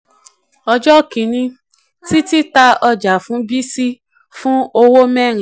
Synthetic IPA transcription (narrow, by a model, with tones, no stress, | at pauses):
ɔ˧d͡ʒɔ˦˨kĩ˨nĩ˧ | ti˦ti˦ta˧ɔ˧d͡ʒa˨fũ˨˦bi˦si˦ | fũ˦o˧wo˦mɛ̃˦˨ɾ̃ĩ˨